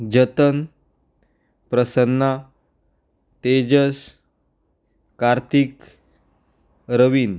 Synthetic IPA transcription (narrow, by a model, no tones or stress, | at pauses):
d͡ʑət̪ən | pɾəsənːa | t̪ed͡ʑəs | kaɾt̪ʰik | ɾəʋin